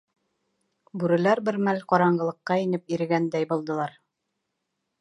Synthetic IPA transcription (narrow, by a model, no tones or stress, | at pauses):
bʉɾɘ̆læɾbɘɾmælqɑɒɾɑɴɢɤ̆lˠɤ̆qːɑinɘp̚iɾɘ̆ɡænd̪æjbŏlˠd̪ɤ̆lˠɑɾ